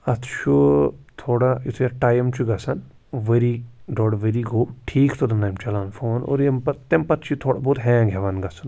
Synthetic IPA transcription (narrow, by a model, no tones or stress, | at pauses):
ɐt̪ʰʃʰut̪ʰoːɽait̪ʰjeʈaːjmt͡ʃʰiɡɐsɐn | ʋɐɾiɖoːɽʋeɾiɡoːʈʰiːkt̪ʰod̪ɐnaːjmt͡ʃɐlaːnfoːno̰ːɾjempɐt̪empɐt̪t͡ʃʰit̪ʰoːɽaboːt̪ɦẽːɡʱeʋanɡɐsɐn